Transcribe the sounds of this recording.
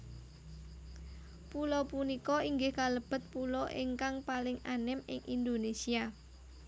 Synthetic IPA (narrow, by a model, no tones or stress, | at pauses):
pulɔpunikɔiŋɡɪhkaləb̥ə̤t̪̚pulɔʔɪŋkaŋpalɪŋanɪmɪ̰ŋʔind̪onesia